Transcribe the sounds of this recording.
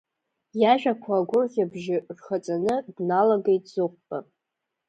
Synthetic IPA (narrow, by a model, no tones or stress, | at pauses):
jaʒᶣakʷʰaɡʷʊrχabʒɪrχat͡sʼanɨbnalaɡejtʼzɨq̚ʷʼpʼa